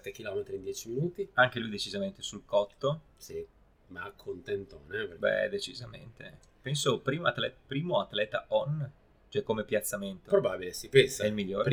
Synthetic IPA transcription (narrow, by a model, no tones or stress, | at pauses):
t̪ːek̟ilɔmet̪ɾind̪jɛːt͡ʃiminuːt̪iaŋk̟elujd̪et͡ʃizament̪esulkɔt̪ːosi | makʰːont̪ɛnt̪o̰nɛpbɛ̰d̪et͡ʃizamḛnt̪ḛ | pɛnsopɾiːmaat̪lɛpɾiːmoat̪lɛt̪aʔɔnː | t͡ʃoɛkːomepjat̪sːament̪opɾobabilesipɛnsaɛilmiʎːoːɾ